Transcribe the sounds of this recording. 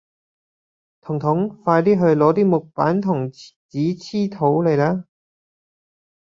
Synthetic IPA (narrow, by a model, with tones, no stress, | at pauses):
t̪ʰʊ˨˩ŋt̪ʰʊ˨˥ŋfaː˧jt̪iː˥ɦɵ˧ɥlɔː˨˥t̪̬iː˥mʊ˨k̚paː˨˥nt̪ʰʊ˨˩ŋt͡siː˨˥t͡sʰiː˥t̪ʰo˨˥wle˨˩jlaː˥